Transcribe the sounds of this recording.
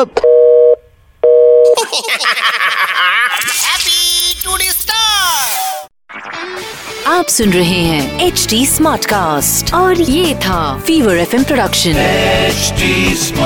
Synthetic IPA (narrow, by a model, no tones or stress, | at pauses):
t̪ʰ | ɦɛpiʈuːnisʈ̪a | aːpsʊnɾɐɦeɦɛ̃ːeːt͡ʃʈiːsmaːɾʈkaːsʈɔːɾjeːt̪ʰafiːʋəɾɛfɛ̃mpɾoɖɐkʃə̃nt͡ʃʈi